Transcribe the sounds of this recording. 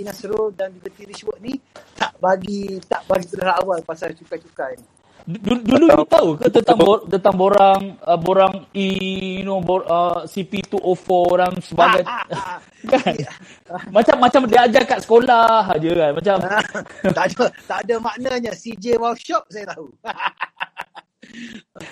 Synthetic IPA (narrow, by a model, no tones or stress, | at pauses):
inasəɾʊdand͡ʒuɡət̪iɾiswəʔ̚nit̪aʔbaɡit̪aʔbaɡip̪ədaɾaːwalpasalt͡ʃukat͡ʃukajn | dduduluit̪aukət̪ənt̪aŋt̪ənt̪aŋboɾaŋəboɾaŋijunoboəsipit̪uʔofɔɾaŋsəbaɡajt̪̚ | kan | mat͡ʃamːat͡ʃamdiad͡ʒakaʔ̪sə̥kolaɦd͡ʒəkanmat͡ʃamt̪adat̪adamaʔnaɲasid͡ʒewaʃɔp̚sajat̪au